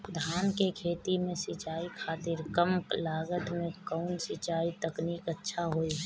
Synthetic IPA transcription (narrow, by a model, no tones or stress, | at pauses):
d̪ʱaːnkekʰeːt̪imẽsɪt͡ʃaːikʰaːt̪ɪɾkəmlaːɡət̪mẽkəʊnsɪt͡ʃaːit̪əkniːkətːʃʰaɦoːi